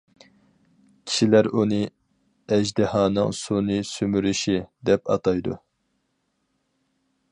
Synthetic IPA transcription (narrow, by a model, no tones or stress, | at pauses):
kʲʰi̥ʃilæɾunɨ | ɛʒd̪ɪhɑːnɨŋsunɨsymyɾyʃid̪ɛpɑ̰t̪ʰɑjd̪ṵ